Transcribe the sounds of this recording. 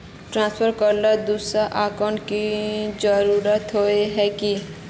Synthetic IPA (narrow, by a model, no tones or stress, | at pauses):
ʈɾãːnspʰəɾkəɾlad̪uːsɾaʔaːkəɳkid͡ʒəɾuːɾət̪ɦoeɦɛki